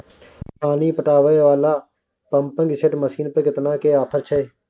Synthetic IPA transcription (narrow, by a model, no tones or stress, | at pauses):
paːniːpəʈaːʋəeːʋaːlaː | pəmpə̃ŋɡsɪʈməsiːnpəɾkɪt̪nãːkeːaːpʰəɾt͡ʃʰəeː